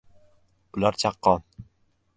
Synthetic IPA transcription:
ʊlaɾt͡ʃʰɑqːɑn

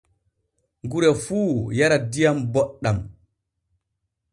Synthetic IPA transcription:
ŋɡuɾɛfuːjaɾadijambɔɗːam

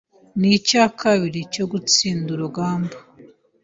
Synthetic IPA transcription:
nicaːkʰaβiɾico̞ɡut͡siːnduɾuɡaːmba

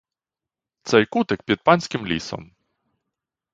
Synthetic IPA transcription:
t̪sɛjkut̪ɪk̚pʲid̪̚pɑnʲsʲkɪmlʲḭsɔ̰m

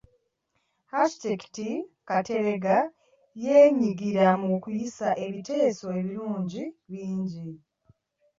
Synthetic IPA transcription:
hasi̥teki̥tikate̞βe̞ɡa | je̞ːɲiɡiɾamukujisaʔe̞βite̞ːso̞e̞βiɾuːɲɟiβiːɲɟi

